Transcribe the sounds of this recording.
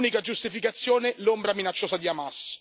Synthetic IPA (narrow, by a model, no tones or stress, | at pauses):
nikad͡ʒust̪ifikat̪sːjoːnelombɾaminat͡ʃːoːsad̪iamas